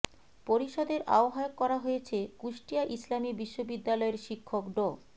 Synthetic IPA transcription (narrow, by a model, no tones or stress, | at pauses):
poɾiʃɔd̪eɾʔa̰oɦajokːɔɾaɦojet͡ɕʰekuʃʈiaʔislamibiʃːobid̪ːalɔeɾʃikʰːokɖo